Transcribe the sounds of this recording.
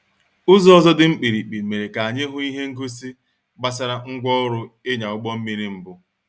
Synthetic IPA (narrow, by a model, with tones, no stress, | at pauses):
ʊ˦zɔ˦ɔ˦zɔ˦dɪ˦m̩˦k͡pi˨ɾi˨k͡pi˨me˨ɾe˨ka˨a˨ɲe˦ɦʊ˦i˦ɦe˦ŋ̩˦ɡu˦si˦ | ɡ͡ba˦sa˦ɾa˦ŋ̩˦ɡʷɔ˦ʊ˦ɾʊ˦e˦ɲa˨ʊ˦k͡pɔ˦m̩˦mi˦ɾi˦m̩˦bʊ˦